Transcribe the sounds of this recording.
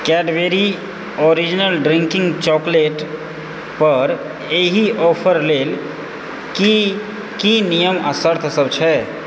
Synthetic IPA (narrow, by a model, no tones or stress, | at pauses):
kɛɖbeɾi | oɾid͡ʒinəlɖɾiŋkiŋɡt͡ʃɔkleʈ | pəɾ | eɦiʔɔpʰəɾlel | ki | kinijəməsəɾt̪ʰsəbt͡ʃʰɛ